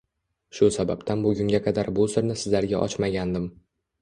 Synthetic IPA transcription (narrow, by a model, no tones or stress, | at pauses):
ʃʊsababt̪ʰanbʊɡʲʊŋɡʲaqʰɑd̪aɾbʊsɪɾnɪsɪzlaɾɡʲaʔɒ̰t͡ʃmaɡʲand̪ɪm